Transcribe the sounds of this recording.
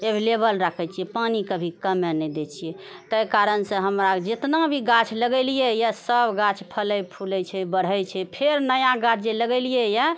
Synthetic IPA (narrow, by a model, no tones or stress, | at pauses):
ebʱilebəlɾəkʰɛt͡ʃʰijɛpanikəbʱikəmɛnɛd̪et͡ʃʰijɛ | t̪əjkaɾənsə̃ɦəmɾad͡ʒet̪nabʱiɡat͡ʃʰləɡɛlijɛjasəbɡat͡ʃʰpʰələjpʰulɛt͡ʃʰɛbəɽ̤ɦɛjt͡ʃʰɛpʰeɾnəjaɡat͡ʃʰd͡ʒeləɡɛlijɛja